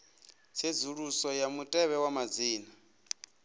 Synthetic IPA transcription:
t͡sʰed͡zuɺusɔjamutʼɛβɛwamad͡ziːna

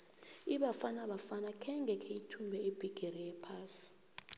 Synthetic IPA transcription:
i̥iɓafanaɓafanakʰɛŋɡʱɛkʰeitʰumbʱɛeb̥ʱiɡ̥ʱerijɛpʰaːsi̥

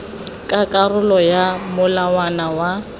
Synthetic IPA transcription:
kʼakʼarʊlɔjamʊlawanawa

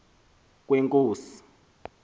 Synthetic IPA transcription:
k̬weŋkʼoːsi̥

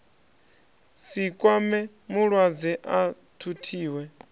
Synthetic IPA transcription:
sikʼwamɛ | muɺwad͡zɛʔa | tʰutʰiːwɛ

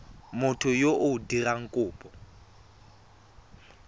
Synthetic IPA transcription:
mʊtʰʊjoʔʊdiraŋ̩kʼʊːpʼɔ

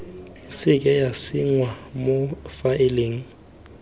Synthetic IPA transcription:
sɪkʼɛjasɪŋwamofaɪleŋ̩

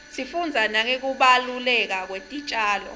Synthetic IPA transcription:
sifund͡zʱanak̬ek̬uɓalulɛk̬ak̬wetʼit͡ʃʼaːlɔ̰

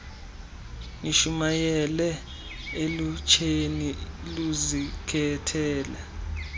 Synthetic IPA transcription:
niʃumajɛlɛ | elut͡ʃʰeniluzikʰɛtʰɛːlɛ

